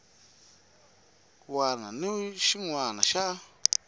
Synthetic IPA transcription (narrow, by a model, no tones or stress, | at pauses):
wanãnũʃiŋʷãnãʃaʔa